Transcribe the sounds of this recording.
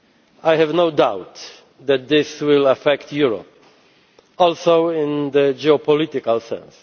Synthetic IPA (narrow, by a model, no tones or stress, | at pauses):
ajhɛvnoʊd̪awt̪ | d̪ɛt̪̚d̪ɪswɪlafɛkt̪juɹɔ̰p̚ | ɔlsowɪ̃nd̪əd͡ʒɛɔpɔlit̪ɪkalsɛ̰̃ns